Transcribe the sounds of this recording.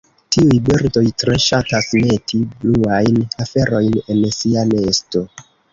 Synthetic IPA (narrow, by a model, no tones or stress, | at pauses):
tiujbiɾto̞jtɾe̞ʃatasme̞tʰibluajnafe̞ɾo̞jne̞nsiane̞sto̞